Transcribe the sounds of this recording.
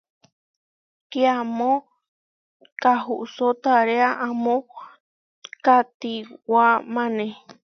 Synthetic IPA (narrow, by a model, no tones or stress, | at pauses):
keamõ | kaɦuʔsot̪aɾeaʔãmõ | kat̪iwamãnẽ